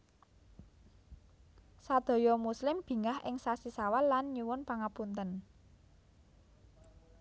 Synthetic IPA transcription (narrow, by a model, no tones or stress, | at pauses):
sad̪̥ɔ̤jɔmuslɪmb̥i̤ŋahɪŋsasisawallanɲuwʊnpaŋapunt̪ən